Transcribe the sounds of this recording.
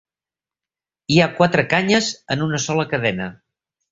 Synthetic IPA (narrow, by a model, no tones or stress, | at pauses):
iakwat̪ɾəkaɲəzənunəsɔləkəðɛnə